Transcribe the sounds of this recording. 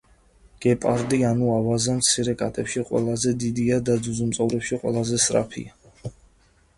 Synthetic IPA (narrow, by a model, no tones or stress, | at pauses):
ɡ̥ɛpʼaɾd̪ianuavazamt̪sʰiɾɛkʼa̰t̪ʼɛpʃiqʼwɛ̰lˠazɛd̪id̪iad̪ad̪zuzumt̪sʼɔvɾɛpʃiqʼwɛ̰lˠazɛsɾa̰pʰḭa